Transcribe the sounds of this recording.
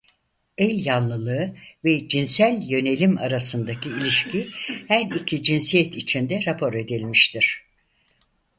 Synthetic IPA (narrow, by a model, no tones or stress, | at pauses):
ɛlʲjanlˠɯlˠɯːvɛd͡ʒinsælʲjø̞ne̞lʲima̰ɾasɯnd̪acʰiːlʲiʃcihæɾicʰid͡ʒinsijɛt̪it͡ʃʰind̪ɛɾapʰo̞ɾe̞d̪ilʲmiʃt̪ʰiɾ̥